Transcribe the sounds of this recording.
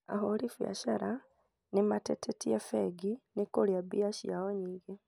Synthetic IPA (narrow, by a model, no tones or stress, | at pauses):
a̰ɦolifja̰ʃaɾa | nematetʰetijefeɡinekoljabiaʃijawoɲiɡe